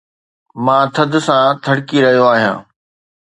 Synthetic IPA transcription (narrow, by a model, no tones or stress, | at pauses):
mãːt̪ʰɐd̪ʱʊ̆sãt̪ʰɐɽkiɾɐɦijoaːɦijã̰ː